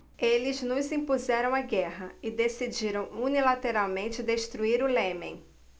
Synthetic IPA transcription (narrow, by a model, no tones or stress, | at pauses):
elɪznʊzĩpuzɛɾɐ̃w̃aɡɛɦɐɪd̪esid͡ʒiɾɐ̃w̃unilat̪eɾawmẽnt͡ʃɪd̪eʃt̪ɾuiɾʊlẽmẽj̃